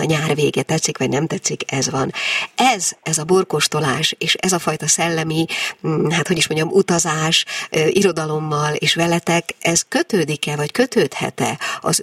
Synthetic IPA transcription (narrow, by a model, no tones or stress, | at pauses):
ɒɲaːrveːɡɛt̪ɛt̪sikʋɒɟnɛmt̪ɛt̪sːikɛzvɒnɛzɛzɒbo̞rko̞ʃt̪o̞laːʃeːʃɛzɒfɒjt̪ɒsɛlːɛmi | ɦat̪ho̞ɟiʃmo̞ɲɟɒmut̪ɒzaːʃiɾo̞d̪ɒlo̞mːɒleːʃvɛlɛt̪ɛkɛz̥kø̞t̪øːd̪ikɛvɒckø̞t̪øːt̪hɛ̰t̪ɛ̰ɒ̰z